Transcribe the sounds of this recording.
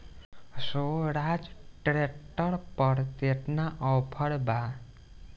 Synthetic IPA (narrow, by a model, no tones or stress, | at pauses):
soɾad͡ʒʈɾeʈʌɾpʌɾt̪eʈnaʔʌwpʰʌɽba